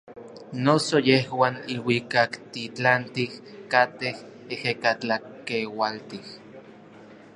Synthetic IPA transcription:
nosojehwaːniwikakt̪it͡ɬant̪ihkat̪eh | ehekat͡ɬakewalt̪ih

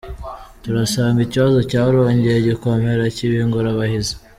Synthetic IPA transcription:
tuɾasaːŋɡiciβazo̞caːɾo̞ːɲɟejeɟikomheɾaciβiŋɡuɾaβahizḁ

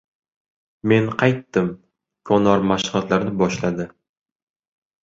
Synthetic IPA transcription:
me̞nqʰɑjt̪ːɪm | kʰɒnɒɾmaʃχat̪laɾnɪbɒʃlad̪ɪ

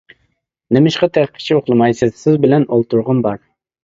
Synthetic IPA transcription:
nɪmɪʃqɑt̪ʰæqʰːɪ̥t͡ʃʰioχlˠɨmɑjsɨzsɪzbɪlɛnolˠt̪ʰuɾʁʊnbɑɾ

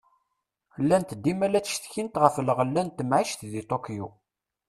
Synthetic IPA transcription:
lːænt̪d̪ːimælæt͡sːʃθçint̪ʁəfləʁəlːænt̪əmʕiʃθðit̪ˤokju

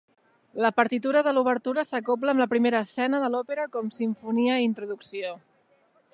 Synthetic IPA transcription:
ləpəɾt̪it̪uɾəðəluβ̞əɾt̪uɾəsəkop̬ləːmləpɾimeɾəːsɛnəðəlɔpeɾəkɔmsiɱfuniəint̪ɾuðuksio

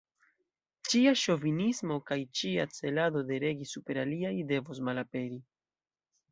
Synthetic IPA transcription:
t͡ʃiaʃo̞vinismo̞kajt͡ʃiat͡se̞lado̞de̞ɾe̞ɡisupe̞ɾaliajde̞vos̬malape̞ɾi

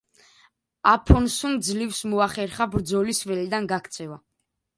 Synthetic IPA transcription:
apʰɔnsund̪zlifsmɔaχɛɾχabɾd̪zɔlisvɛlid̪anɡakʰt̪sʰɛva

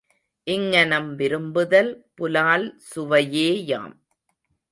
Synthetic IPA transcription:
ʔɪŋːɐnɐmʋɪɾɯmbɯðɐlpʊlaːlsʊʋɐjeːja̰ːm

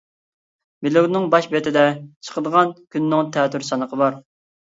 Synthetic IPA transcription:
mɪluwnɪŋbɑʃbet̪ʰɪd̪ɛt͡ʃʰə̥qəd̪əʁɑnkʲynːɪŋt̪ʰɛːt̪yɾsɑnəqʰəbɑɾ

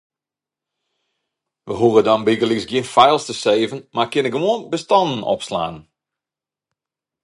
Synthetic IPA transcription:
ʋəɦurədɔnbiɡəlisɡjɪnfɛjlˠstəseːvənmakɪnəkʋuənbəstɔndən̩ɔ̰psla̰ːn

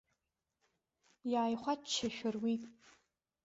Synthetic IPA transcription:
jaːjχʷat͡ʃʰːaʃᶣʊrwitʼ

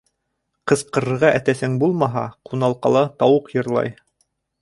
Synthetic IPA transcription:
qɤ̆sqɤ̆ɾɤ̆ɾʁɑʔæt̪æsɘŋbulˠmɑɦɑ̰qunɑlˠqɑlˠɑt̪ɑwɤqjɤ̆ɾlˠɑ̰j

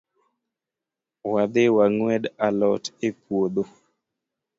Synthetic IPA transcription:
wad̪ɪwaŋwɛdalɔtepwod̪o

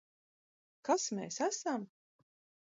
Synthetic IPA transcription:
kasmḛːsæsam

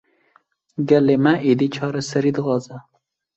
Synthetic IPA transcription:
ɡɛlemɛʔiːd̪iːt͡ʃʰɑːɾɛsɛɾiːd̪ɨɣɑːzɛ

